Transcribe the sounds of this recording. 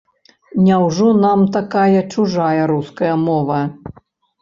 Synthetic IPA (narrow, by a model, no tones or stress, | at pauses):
nʲɛwʐɔnamt̪akajɐt͡ʂuʐajɐɾuskɐjɐmɔvɐ